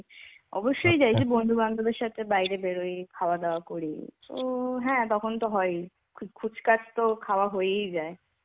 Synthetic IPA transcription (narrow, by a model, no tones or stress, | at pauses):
ɔ̰boʃːojd͡ʑajd͡ʑʰebond̪ʱuband̪od̪eɾʃat̪ʰebajɾebeɽojkʰaoad̪eoakoɾḭt̪o̰ɦɛ̃t̪ɔkʰont̪oɦɔe | kʰkʰud͡ʑkat͡ɕt̪okʰaoaɦojejd͡ʑae